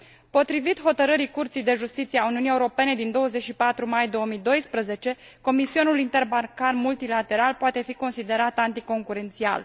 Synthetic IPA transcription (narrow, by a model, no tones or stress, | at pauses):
po̞t̪ɾivit̪ɦo̞t̪əɾəɾikurt̪sijd̪e̞ʒust̪it̪sijeauniunieuɾo̞pe̞ne̞d̪ind̪o̞wəze̞t͡ʃʲʃipat̪ɾumajd̪o̞omijd̪o̞jspɾəze̞t͡ʃe̞ | ko̞misio̞nulint̪e̞rbarkarmult̪ilat̪e̞ɾalpoat̪e̞fiko̞nsid̪e̞ɾat̪ant̪iko̞ŋkuɾe̞nt̪sia̰l